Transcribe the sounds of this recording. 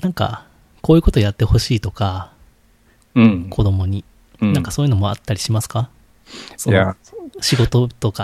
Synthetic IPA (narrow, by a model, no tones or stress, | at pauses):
nãŋka̰ | ko̞ːjiɯ̟ko̞t̪ojat̪ːe̞ho̞ɕiːt̪o̞ka | kʰo̞d̪o̞mo̞ɲ̟i | nãŋkḁso̞ːjɯ̟no̞mo̞at̪ːaɾʲiɕimasɨ̥ka | soaɕiɡo̞t̪o̞t̪o̞ka